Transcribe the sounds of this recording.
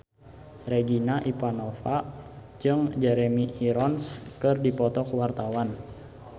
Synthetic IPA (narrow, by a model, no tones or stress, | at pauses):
reɡinaʔipanɔfa | d͡ʒɨŋd͡ʒɛɾɛmiʔiɾɔnskɨrdipɔt̪ɔkəwart̪awan